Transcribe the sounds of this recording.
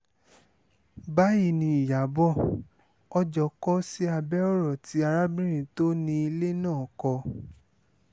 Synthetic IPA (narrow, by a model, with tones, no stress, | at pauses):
ba˦ji˦˧˨nĩ˧˦i˨ja˨˦bɔ˦˨ | ɔ˧d͡ʒɔ˨kɔ˦si˦a˧bɛ˦ɔ˦ɾɔ˦˨ti˨˦a˧ɾa˦bĩ˦ɾ̃ĩ˨to˦nĩ˧i˧le˦nãː˦˨kɔ˧